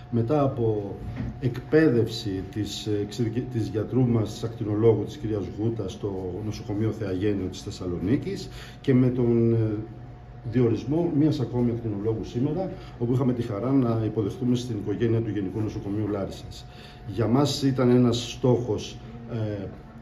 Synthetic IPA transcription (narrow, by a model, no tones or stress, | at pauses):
me̞t̪ɐːpo̞e̞kpe̞ðe̞fsit̪isksit̪izʝɐt̪ɾumɐst̪i̥sɐkt̪ino̞lo̞ɣut̪i̥sciɾiɐzɣut̪ɐst̪o̞no̞so̞ko̞mio̞θe̞ɐʝe̞nio̞t̪i̥sθe̞sɐlo̞nicis | ce̞me̞t̪o̞n | ðio̞ɾizmo̞miɐsɐko̞miɐkt̪ino̞lo̞ɣusimo̞ɾɐ | o̞puixɐme̞t̪ixɐɾɐnɐipo̞ðe̞xθume̞st̪iniko̞ʝe̞niɐt̪uʝe̞nikuno̞so̞ko̞miulɐɾisɐs | ʝɐmɐsit̪ɐne̞nɐsːt̪o̞xo̞s